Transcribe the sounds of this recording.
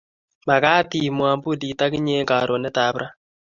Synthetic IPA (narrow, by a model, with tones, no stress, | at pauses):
ma˨ka˦ti˨mwa˨mbu˦di˨ta˦ki˦ɲeː˦ŋɡa˨ɾʔo˨neɛ˦ta˨˦βɾa˦